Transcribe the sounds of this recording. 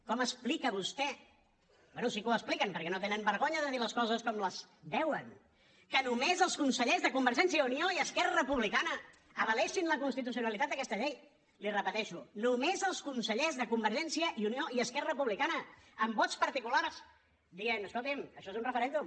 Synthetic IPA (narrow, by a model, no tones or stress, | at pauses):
kɔməsplikəβust̪ɛ | bwɛnusikuəsplikəmpəɾkɛnot̪enəmbəɾɣoɲəðəðiləskɔzəskɔmləz | d̪ɛwən | kənumezəlˠskunsəʎezðəkumbəɾʒɛns̬iəunioiəskɛrərəpuβlikanə | əβəlɛʃinləkunst̪it̪usiunəlit̪at̪d̪əkɛst̪əʎej | lirəpət̪ɛʃunumezəlˠskunsəʎezðəkumbəɾʒɛnsiəʔiunioiəskɛrəəpuβlikanəəmbɔt̪t͡spəɾt̪ikulaɾs | d̪iɣenəskolˠt̪iməʃɔezunrəfəɾɛnd̪um